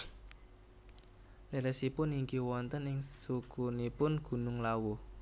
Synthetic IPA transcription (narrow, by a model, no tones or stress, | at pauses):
lɛɾɛsipʊniŋɡiwɔnt̪ənɪŋsukunipʊnɡ̥ṳnʊŋlawu